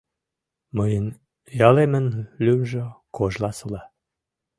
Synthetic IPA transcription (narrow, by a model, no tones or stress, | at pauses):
məjən | jɑlemənlymʒə̆koʒlɑsɤlɑ